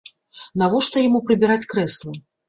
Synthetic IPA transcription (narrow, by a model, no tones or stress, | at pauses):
navɔʂt̪ɐjamupɾɨbʲiɾat͡sʲkɾɛslˠɐ